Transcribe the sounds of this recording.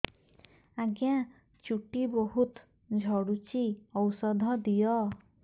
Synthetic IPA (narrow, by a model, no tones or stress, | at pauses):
aɡjã | t͡ʃuʈiboɦut̪ | d͡ʒʱɔɽut͡ʃiɔwsɔd̪ʱɔd̪ijɔ